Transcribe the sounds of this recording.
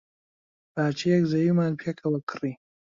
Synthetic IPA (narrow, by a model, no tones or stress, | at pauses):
baːt͡ʃʰijɛkzɐjumaːnpʰjekʰɐwɐkʰɨriː